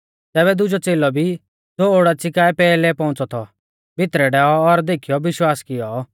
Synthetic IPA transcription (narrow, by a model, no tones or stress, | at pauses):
t̪ɛːβɛd̪ʊd͡ʒɔt͡seːlɔbʱi | d͡zoːoɽat͡sɪkaːɛpɛːlɛpɔ̃ʊ̃t͡sɔt̪ʰɔ̰ | bɪt̪ɾɛɖɛːɔːɾd̪eːkʰijɔʋɪʃwaːskɪjɔ